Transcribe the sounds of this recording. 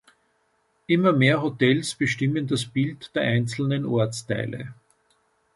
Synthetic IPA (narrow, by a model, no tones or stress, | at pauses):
ʔɪmɐmeːɐɦotɛlsb̥əʃtɪməndasb̥ɪltd̥eːɐʔæɪnt͡sl̩nənʔɔɐt͡stæɪlə̰